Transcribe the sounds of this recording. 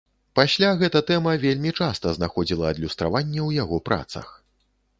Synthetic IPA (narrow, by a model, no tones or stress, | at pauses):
pasʲlʲaɣɛt̪ɐt̪ɛmɐvʲelʲmʲit͡ʂast̪ɐznaxɔd͡zʲilˠɐːd̪lʲust̪ɾavanʲːɛwjaɣɔpɾʔa̰t̪sɐ̰x